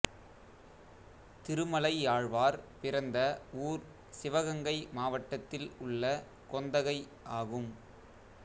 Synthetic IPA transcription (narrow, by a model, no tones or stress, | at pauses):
t̪ɪɾɯmɐlɐɪaːɻʋaːɾpɪɾɐnd̪ɐuːɾ | sɪʋɐɣɐŋɡɐɪmaːʋɐʈːɐt̪ːɪlʊɭːɐ | kɔnd̪ɐɣɐɪ | ʔaːɣɯm